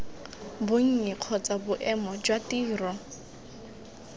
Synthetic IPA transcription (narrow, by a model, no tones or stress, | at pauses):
bʊŋ̩ɲɛq͡χʰɔt͡sʼabʊʔɛmɔd͡ʒwatiːrɔ